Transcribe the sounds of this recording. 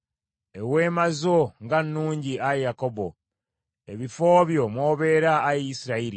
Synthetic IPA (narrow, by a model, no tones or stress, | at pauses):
e̞we̞ːmazoŋɡanːuːɲɟiaejakobo̰ | eβifoːβjo̞mwoːβe̞ːɾaːjisiɾaiɾi